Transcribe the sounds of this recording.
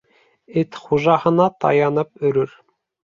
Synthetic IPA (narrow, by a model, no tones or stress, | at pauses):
et̪χuʒɑhɤ̆nɑt̪ɑ̰jɑnɤpɵ̆ɾɵɾ